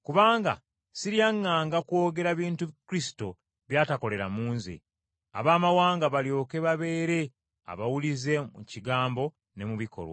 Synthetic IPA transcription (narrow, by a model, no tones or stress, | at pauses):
kuβaːŋɡa̰ | siɾijaŋːaːŋɡakwo̞ːɡe̞ɾaβiːntukuɾisi̥to̞ | βjaːtako̞le̞ɾa̰muːnzḛ | a̰βaːmawaːŋɡaβaljo̞ːke̞βaβe̞ːɾe̞ | a̰βawulize̞mṵciɡaːmbo̞ | ne̞muβikʰo̞̰lwa̰